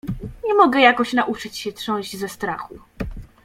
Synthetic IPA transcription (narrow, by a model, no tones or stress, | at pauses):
ɲɛmɔɡɛjakɔɕnaʔut͡ʂɘt͡ɕɕɛtʂɔ̃w̃ʑd͡ʑzɛst̪ɾaxu